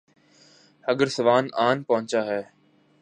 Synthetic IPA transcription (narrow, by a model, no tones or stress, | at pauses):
hɐɡəɾsɐʋaːnaːnpɐɦʊ̃ɲt͡ʃaːɦɛː